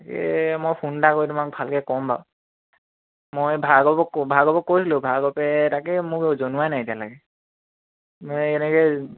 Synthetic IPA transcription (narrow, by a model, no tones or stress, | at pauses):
akɛ̰mojpʰundakojtʊmak̚bʱalkɛkɔmba | mojbʱaɡɔbɔkbʱaɡɔbɔkojsʰilobʱaɡɔpɛtakɛmʊkezonuwanajedijalaɡɛ | mojɛnɛkɛ